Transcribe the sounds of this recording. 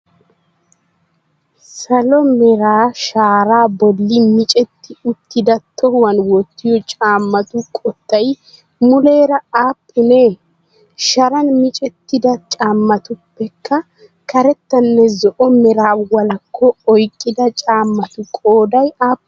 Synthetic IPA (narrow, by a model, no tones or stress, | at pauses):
sɐlɔmɛɾaːʃaːɾaːbɔlːɪmɪt͡ʃʼɛt̪ːɪʊt̪ːɪd̪ɐt̪ʰːɔhwɐnwɔt̪ːɪjɔt͡ʃʼaːmːɐt̪ʊkʼɔt̪ːɐj | mʊleːɾɐaːpːɪneː | ʃɐɾɐnmɪt͡ʃʼɛt̪ːɪd̪ɐt͡ʃʼaːmːɐt̪ʊpːɛkːɐ | kʰɐɾɛt̪ːɐnːɛzɔʔɔmɛɾaːwɐlɐkʰːɔːjkʼːɪd̪ɐt͡ʃʼaːmːɐt̪ʊkʼoːd̪ɐjaːpː